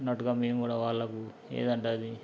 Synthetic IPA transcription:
nɐʈuɡaːmeːmkuːɽaːʋaːɭːɐku | ḛːd̪ɐɳʈaːd̪i

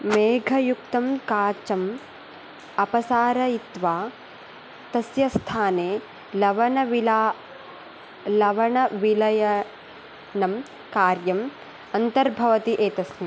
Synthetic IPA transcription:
meːɡʱɐjukt̪ɐmkaːt͡ʃɐm | ɐpɐsaːɾɐit̪ʋaː | t̪ɐsjɐst̪ʰaːneː | lɐʋɐɳɐʋilaː | lɐʋɐɳɐʋilɐjɐ | nɐm | kaːɾjɐm | ɐnt̪ɐɾbʱɐʋɐt̪iʔeːt̪ɐsni

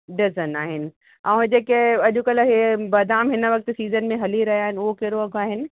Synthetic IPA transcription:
ɖɪzənaːɦɪnɪ̆ | ãːd͡ʑeːkeɐʄʊkɐlɦebɐd̪ʱaːmɦɪnəʋɐk̚t̪siːzənmẽɦɐliɾɐɦiaːɦɪnɪʊɦokeɾoɐɡaːɦɪnɪ̆

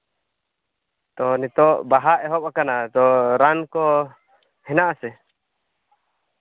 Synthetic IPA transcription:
t̪ɔnit̪ɔʔbaɦaʔɛɦɔp̚akanat̪ɔɾankɔ | hɛnaʔasɛ

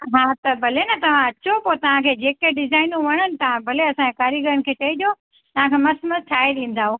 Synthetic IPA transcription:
ɦaːt̪ɐbʱɐlenɐt̪ɐʋ̤ãɐt͡ɕopoːt̪ɐʋ̤ãkʰeːd͡ʑeːkeɖɪzaːɪnũʋɐɽ̃ənɪ̆t̪ɐʋ̤ãbʱɐleɐsãekaːɾiɡɐɾəɽ̃ɪ̆kʰeːʈɐid͡ʑo | t̪ɐʋ̤ãkʰeːmɐsmɐt̪ʰaːed̪ĩːn̆d̪aːɦo

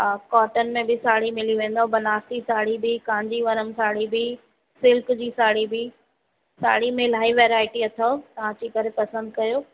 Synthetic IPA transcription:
kɔːɾʈənmẽbɪsaːɽimɪliʋẽːnd̪aɦũbɐnaːɾt̪isaːɽibɪkãːɪ̃ɲd͡ʑiʋɐɾəmsaːɽibɪ | sɪlkd͡ʑiːsaːɽibɪ | sa̰ːɽimẽlaːiʋɛːɾaːɪʈiɐt̪ʰot̪ɐʋ̤ãd͡ʑiːkɐɾepɐsə̃nd̪kɐjoː

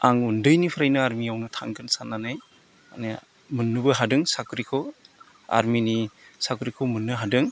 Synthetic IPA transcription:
aŋundɯjnipʰɯɾajnɯaɾmiawnɯtʰaŋɡʰɯnsanːanaj | a̰ne | mɯnːɯbɯɦadɯŋsakɾikʰɔ | a̰ɾminisakɾikʰɔmɯnːɯɦadɯŋ

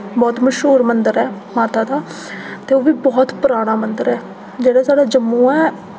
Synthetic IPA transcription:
bɔːt̪məʃɦuːɾmənd̪əɾɛː | maːt̪aːd̪aː | t̪eːoːʋiːbɔːt̪pʊɾaːɽ̃aːmənd̪əɾɛː | d͡ʒeːɽaːsaːɽaːd͡ʒəmːũːɛː

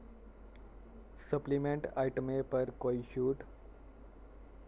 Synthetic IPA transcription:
səplimẽɳʈaiʈəmepəɾkoːiʃuːʈ

